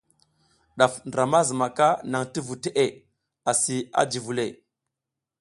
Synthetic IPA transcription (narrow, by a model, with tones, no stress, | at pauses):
ɗa˨fndɾa˨ma˦zi˨ma˨ka˦na˨ŋti˦vu˨te˦ʔe˦˨ | a˨si˨a̰˦d͡ʒi˨vu˨le˨